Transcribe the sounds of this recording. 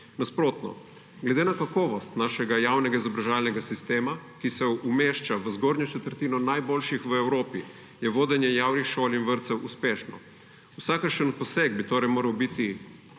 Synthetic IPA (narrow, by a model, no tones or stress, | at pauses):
naspɾoːt̪nɔ̰ | ɡlɛd̪enakakɔːʋɔst̪naːʃɛɡajaːwnɛɡaizɔbɾaʒaːlnɛɡasist̪eːmakisɛumeːʃt͡ʃaʋəzɡoːɾɲɔt͡ʃɛt̪əɾt̪iːnɔnajboːlʃixʋəɛwɾoːpi | jɛʋoːd̪ɛnjɛjaːwnixʃoːlinʋəɾt̪sɛwuspeːʃnɔ̰ | usaːkəɾʃənɔpɔsɛɡbit̪oːɾɛjmoːɾɐwbit̪i